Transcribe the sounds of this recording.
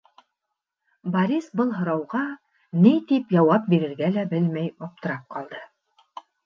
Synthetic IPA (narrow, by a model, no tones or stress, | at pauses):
bɐɾʲisbɤlˠɦɤ̆ɾɑwʁɑ | nit̪ipjɑwɑp̚biɾɘ̆ɾɡælæbɘlmæjɑp̚t̪ɤ̆ɾɑp̚qɑlˠd̪ɤ